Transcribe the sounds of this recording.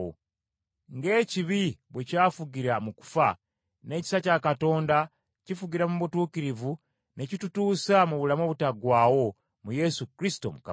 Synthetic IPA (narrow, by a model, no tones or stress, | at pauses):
o̰ | ŋɡe̞ːciβiβwecaːfuɡiɾamuku̥fa | ne̞ːci̥sacakato̞ːnda | cifuɡiɾamuβutuːkiɾivu | ne̞citutuːsamuβulamo̞ːβutaɡwaːwo̞ | muje̞sukɾisi̥to̞̰muka̰